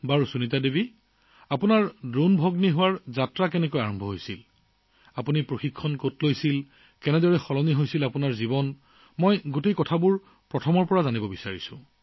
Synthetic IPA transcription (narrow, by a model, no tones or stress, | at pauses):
baɹusunitadebi | apunaɹdonbʱɔɡniɦʊwaɹzatɹakɛnɛkojaɹɔmbʱɔɦojsil | apunipɹoxikʰːɔnkotlojsil | kɛnɛdɔɹɛxɔlɔniɦojsilapunaɹzibɔn | mɔjɡutejkɔtʰabuɹ | pɹɔtʰɔmɔɹpɔɹazanibɔbisaɹisʊ̰̃